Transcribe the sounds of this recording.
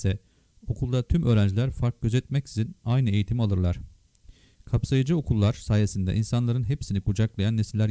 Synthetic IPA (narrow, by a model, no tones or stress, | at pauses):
sɛ | o̞kʰulˠd̪at̪ʰymø̞ːɾænd͡ʒilʲæɾfaɾk̚ɟ̥ø̞zɛt̪̚mɛcsizinajnɯe̞jit̪ʰimalˠɯɾlˠaɾ̥ | kʰapsajɯd͡ʒɯo̞kʰulˠːaɾsaːje̞sind̪ɛ̰ʔinsanlˠaɾɯnɦepsinikʰud͡ʒaklˠajanːesilʲːæɾ